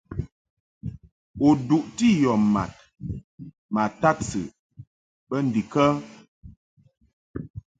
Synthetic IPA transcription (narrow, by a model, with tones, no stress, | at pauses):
o˨du˨ʔti˦jɔ˨mma̰˨t̚ | ma˨ta˦tsɨ̰˨ | bə˦n̩˨di˨kə˦